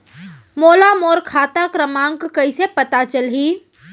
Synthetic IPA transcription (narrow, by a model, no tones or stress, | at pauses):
moːlamoːɾkʰat̪akɾəmaŋkkəjsepət̪at͡ʃəlɦi